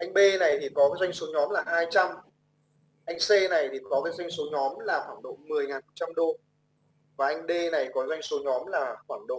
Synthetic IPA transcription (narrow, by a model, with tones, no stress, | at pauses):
ʔa˧jŋ̟ɓe˧na˨˩jt̪ʰi˨˩kɔ˨˦kaː˨˦zwa˧jŋ̟so˨˦ɲɔ˨˦mlaː˨˩haː˧jt͡ɕa˧m | ʔa˧jŋ̟se˧na˨˩jt̪ʰi˨˩kɔ˨˦kaː˨˦jzwa˧jŋ̟so˨˦ɲɔ˨˦mlaː˨˩xwaː˧˩nɗo̰˧˨mɨ˨˩əjŋaː˨˩nf̚t͡ɕa˧mɗo˧ | vaː˨˩ʔa˧jŋ̟ɓe˧na˨˩jkɔ˨˦zwa˧jŋ̟so˨˦ɲɔ˨˦mlaː˨˩xwaː˧˩nɗo̰˧˨